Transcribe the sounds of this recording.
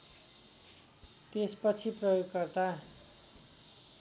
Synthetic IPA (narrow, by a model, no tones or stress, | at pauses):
t̪espʌt͡sʰiprʌjoɡkʌrt̪a